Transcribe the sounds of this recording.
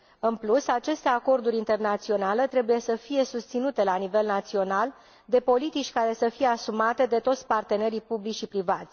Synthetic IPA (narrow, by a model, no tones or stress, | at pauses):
ɨnplusat͡ʃe̞st̪e̞ako̞rd̪uɾʲint̪e̞rnat̪sio̞nalet̪ɾe̞buje̞səfije̞sust̪sinut̪e̞lanive̞lnat̪sio̞nal | d̪e̞po̞lit̪it͡ʃʲkaɾe̞səfije̞asumat̪e̞d̪e̞t̪o̞t̪sʲpart̪e̞ne̞ɾipublit͡ʃʃipɾivat̪sʲ